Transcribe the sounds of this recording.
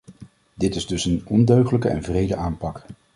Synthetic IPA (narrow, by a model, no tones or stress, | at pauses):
dɪtɪzdɵsənɔndøɥχələkəʔɛ̰nvrejdəʔaːmpɑk